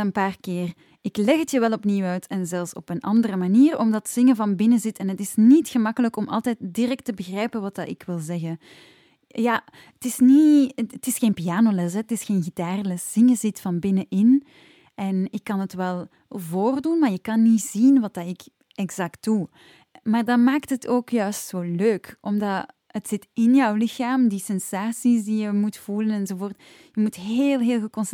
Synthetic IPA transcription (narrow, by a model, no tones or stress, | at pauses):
ənpaːrkɪːr | ɪklɛɣətjəʋɛlˠɔpniːwœɥtʰɛnzɛlˠfsɔpənʔɑndərəmaniːrɔmdɑtz̥ɪŋəvɑnbɪnəzɪtɛnɦətɪsnitxəmɑkələkɔmʔɑ̰lˠtɛːt̚dirɛk̚təbəɣrɛjpəʋɑtdɑɪkʋɪlˠzɛɣə | jaː | ətɪsniətɪsxeːnpijaːnolɛs̬ɛətɪsxeːnɣitaːrlɛsz̥ɪŋəzɪtfɑnbɪnəʔɪn | ʔɛnɪkːɑnətʋɛlˠ | voːrdunmaːrjəkɑnːiz̥inʋɑt̚dɑɪk | ɛɡz̥ɑkt̚d̥u | maːrdɑmaːktɦətʰoːkjœːstsoːløːkʔɔmdɑ | ətsɪtɪnjɔwlɪxaːmdisɛnsaːsisdijəmutfulənɛnzovoːrt | jəmutɦeːlˠɦeːlˠɣəkɔns